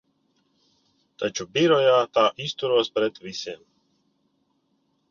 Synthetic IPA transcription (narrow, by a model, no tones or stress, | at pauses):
t̪at͡ʃubiɾɔjat̪aːʔist̪uɾoːst̪̚pɾɛd̪ʋisem